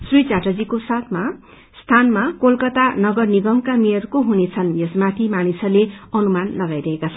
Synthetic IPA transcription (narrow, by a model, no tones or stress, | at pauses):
srit͡saʈʌd͡zikosat̪ʰma | st̪ʰanmakolkʌt̪anʌɡʌrniɡʌmkamijʌrkoɦunet͡sʰʌnjʌsmat̪ʰimanisʌleʌnumanlʌɡajɾʌɦekat͡sʰʌn